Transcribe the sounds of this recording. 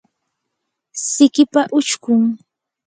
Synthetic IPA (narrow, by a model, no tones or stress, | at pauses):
sɪkɪpaʔʊt͡ʃkʊŋ